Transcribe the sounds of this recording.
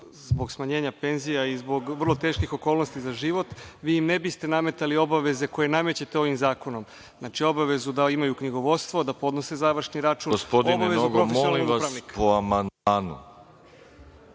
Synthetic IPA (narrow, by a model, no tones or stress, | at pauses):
zbo̞ɡsmaɲe̞ːɲape̞nzijaizbo̞ɡʋər̩lˠo̞t̪e̞ːʃkixo̞koːlˠnost̪izaʒiʋo̞t̪ʋiːimnebist̪e̞name̞t̪alio̞baʋe̞ze̞ko̞je̞name̞t͡ɕet̪e̞o̞ʋimzaːko̞no̞m | znaːt͡ʃio̞baʋe̞zud̪aimajukɲiɡo̞ʋo̞t̪st̪ʋo̞d̪apo̞d̪no̞se̞zaʋr̩ʃniɾat͡ʃuːnɡospod̪inbeʋenzouɡɾofemsojonliʋaspɾaʋnikkpoamand̪aːnṵ